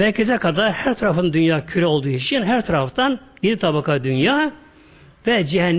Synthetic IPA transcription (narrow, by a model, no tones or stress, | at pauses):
mæɾcʰɛzɛkʰad̪aɾhæɾt̪ʰaɾafɯnd̪ynjaːcʰyɾɛo̞lˠd̪uit͡ʃʰinɦæɾt̪ʰɑɾɑft̪ɑnjed̪it̪ʰɑbɑkad̪ynjaː | vɛd͡ʒiɦɛnː